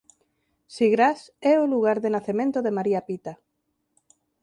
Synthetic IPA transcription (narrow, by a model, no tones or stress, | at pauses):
siɣɾas | ɛoluɣaɾðenaθemẽnt̪oðemaɾiapit̪a